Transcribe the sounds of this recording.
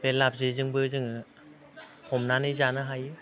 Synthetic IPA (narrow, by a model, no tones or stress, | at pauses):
belap̚zezɯŋbɯzɯŋɯ | hɔmnanɯzanɯɦajɯ